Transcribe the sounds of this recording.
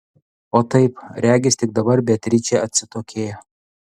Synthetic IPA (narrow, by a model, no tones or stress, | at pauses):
oːt̪ɐɪpɾʲæːɡʲɪsʲt̪ʲɪk̚d̪ɐbɐɾbʲɛt̪ʲɾʲɪt͡ʃʲɛɐt̪ʲsʲɪt̪oːkʲeːjɛ